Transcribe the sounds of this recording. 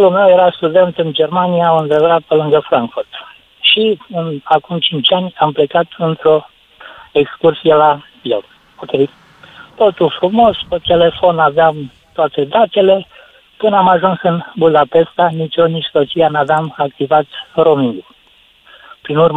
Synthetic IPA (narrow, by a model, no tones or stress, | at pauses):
olume̞wjeɾast̪ud̪e̞nt̪ɨnd͡ʒe̞rmanijaɨnd̪ɾevɾat̪̚pəlɨŋɡəfɾaŋkfurt̪ | ʃiɨnakumt͡ʃint͡ʃʲanʲample̞kat̪ɨnt̪ɾo̞ | ekskursijela | jel | okʲe̞j | t̪o̞t̪ulfɾumo̞spet̪e̞le̞fo̞naveam | t̪oat̪e̞d̪at̪e̞le̞ | pɨnamaʒunsɨnbud̪ape̞st̪anit͡ʃoniʃsot͡ʃijanavamakt̪ivat̪ro̞miŋɡo | pɾinurm